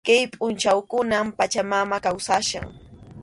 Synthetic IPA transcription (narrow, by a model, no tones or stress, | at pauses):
kajpʼʊnt͡ʃawkʊnampat͡ʃamamakawsaʃa̰ŋ